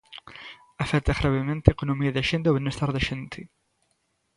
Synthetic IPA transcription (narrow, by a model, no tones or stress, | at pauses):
afɛt̪aɣɾaβemẽnt̪eekonomiaðaʃent̪eoβenest̪aɾðeʃent̪e